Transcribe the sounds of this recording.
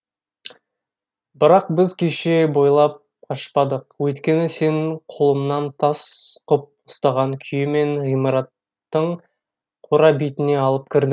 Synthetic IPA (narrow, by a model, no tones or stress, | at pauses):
bɪɾɑq̚bɪzkʲʰe̞ʃe̞bo̞jlˠɑp̚ | qʰɑʃpɑd̪əqwɵjt̪kʲe̞nɪse̞ɴqʰolˠəmnɑnt̪ʰɑsqʰʊp̚ʊst̪ɑʁɑŋkʲʰʏjɪme̞ŋʁijmɑɾɑt̪ː | əɴ | qʰoɾɑbijt̪ɪne̞ɑlˠəp̚kʲʰɪɾd̪ɪ